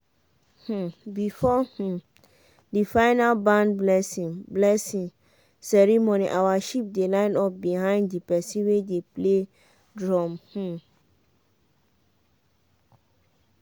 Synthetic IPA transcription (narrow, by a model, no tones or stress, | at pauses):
h̩bifɔh̩ | difãɪnalbãnblɛsĩŋblɛsĩŋ | sɛɹimoniʔawaʃip̚delãɪ̃nɔp̚bihãɪ̃nddipɛsĩwedeple | dɹɔ̃mh̩